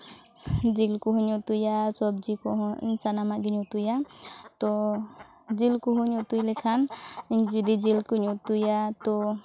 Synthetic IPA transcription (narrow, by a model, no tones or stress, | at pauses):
d͡ʒilkuɦuɲɔt̪ujasɔbd͡ʒikɔɦɔ̃ḭnsanamaɡiɲut̪ujat̪ɔ | d͡ʒilkuɦuɲɔt̪ujlikʰaniɲd͡ʒud̪id͡ʒilkuɲut̪ujat̪ɔ